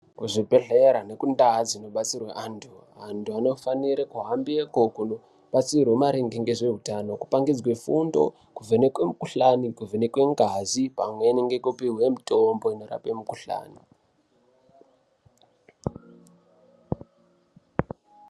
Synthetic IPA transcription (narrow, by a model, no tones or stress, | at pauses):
kuʐipe̞ɬeɾane̞kundad͡zino̞ɓat͡sirwaʔantʰu | antʰuano̞faniɾekuɦambiekokuno | ɓat͡sirwomaɾiŋɡeŋɡe̞ʐe̞ɦutano̞ku̥paŋɡid͡zwe̞fundo̞̰ | kuvenekwemukuɬanikuvenekwe̞ŋɡazipamwe̞niŋɡekupiwe̞mito̞mbo̞ino̞ra̰pemukuɬa̰ːni